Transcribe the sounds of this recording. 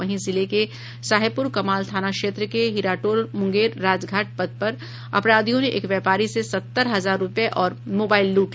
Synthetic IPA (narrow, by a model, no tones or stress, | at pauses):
ɐɦĩzɪleke | saːɦjpʊɾkɐmaːlt̪ʰaːnakʃeːt̪ɾəkeɦiɾaːʈoːɾmʊ̃ŋɡeːɾːaːd͡ʒɡʱaːʈ̚pɐd̪̚pɐɾ | ɐ̰pɾaːd̪ijõnẽʔḛːkʋjɛːpaːɾisesɐt̪ːəɾɦɐzaːɾːʊpjeʔɔːɾmoːbaːɪlːuːʈ